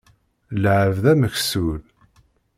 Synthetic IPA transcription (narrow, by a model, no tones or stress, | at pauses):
lʕəvðæməçsul